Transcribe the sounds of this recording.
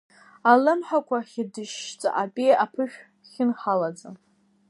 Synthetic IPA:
alɨmħakʷaχʲɪdɨʃt͡sʼa̰ʔapʼijapʰɨʃᶣ | χʲɪnħalad͡za

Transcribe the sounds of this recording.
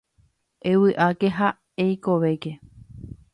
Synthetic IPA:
ewɨʔake̞ɦa | eiko̞ʋe̞ke̞

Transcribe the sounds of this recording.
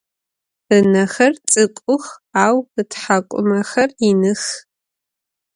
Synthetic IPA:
ɨnɐxɐrt͡sʼɨkʷʼʊxaːwɨtʰħakʷʼʊ̰mɐxɐrinɨx

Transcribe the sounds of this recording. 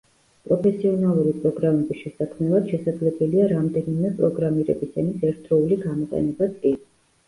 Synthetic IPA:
pʼɾɔpʰɛsiɔnalˠuɾipʼɾɔɡɾamɛbisʃɛsakʰmɛlad̪̥ʃɛsad̪zlɛbɛliaɾamd̪ɛnimɛpʼɾɔɡɾamiɾɛ̰bisanisɛɾt̪ʰɾɔuliɡamɔqʼɛ̰nɛbat̪sʼkʼi

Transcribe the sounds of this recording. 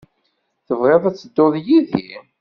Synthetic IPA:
θəvʁeðˤæt͡sːəd̪ːoðjiðḭ

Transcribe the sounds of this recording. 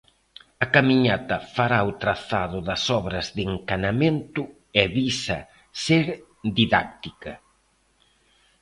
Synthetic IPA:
ɐkamiɲat̪ɐfaɾaot̪ɾaθaðʊðɐsɔβɾɐzðeŋkanament̪ʊ | ɛβisɐ̰ | seɾ | d̪iðak̚t̪ikɐ

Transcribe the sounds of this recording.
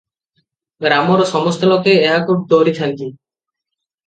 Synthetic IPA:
ɡɾamɔɾɔsɔmɔst̪ɔlɔkeːɦakuʈ̚d̪oɾit̪ʰant̪i

